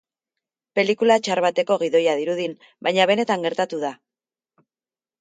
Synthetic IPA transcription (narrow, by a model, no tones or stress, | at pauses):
pe̞likulat͡ʃaɾβat̪e̞ko̞ɣ̞iðo̞jaðiɾuðin | bajɲaβ̞e̞ne̞t̪aŋɡe̞ɾt̪at̪uða